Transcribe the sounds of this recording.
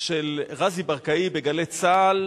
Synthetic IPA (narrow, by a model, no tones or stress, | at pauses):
ʃelʁazibaʁkaibeɡalet͡sal